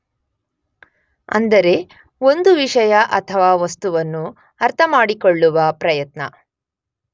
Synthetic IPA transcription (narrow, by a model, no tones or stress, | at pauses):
ɐ̰nd̪ɐɾe̞ | o̞nd̪uʋiʂɐjɐʔɐt̪ʰɐʋaːʋɐst̪uʋɐnːu | ɐɾt̪ʰɐmaːɽikoɭːuʋɐpɾɐjɐt̪nɐ